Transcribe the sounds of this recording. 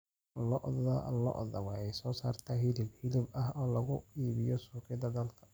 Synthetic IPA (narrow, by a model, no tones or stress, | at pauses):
lɔʔðɐlɔ̰ʔðɐwɑħɛjsɔːsaːrt̪ʰaːɦɪlɪbhɪlɪbɐɦɔːlɐɣʊiːβɪjɔsuːkʰɪd̪ɐd̪ɐlkʰɐ̥